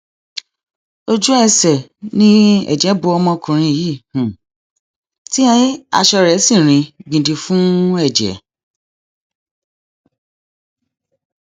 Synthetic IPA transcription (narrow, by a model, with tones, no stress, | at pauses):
o˦d͡ʒu˦ɛ˦˨sɛ˨nĩ˦ɛ̰˦˨d͡ʒɛ˨˦bu˧ɔ˧mɔ̃˧kũ˨ɾ̃ĩ˧˨ji˦˨hũ˨ | ti˦ã˧ji˦a̰˧ʃɔ˧ɾɛ˨˦sĩ˦˨ɾ̃ĩ˧ɡ͡bĩ˨di˧fũ˦ɛ˦˨d͡ʒɛ̰˨˦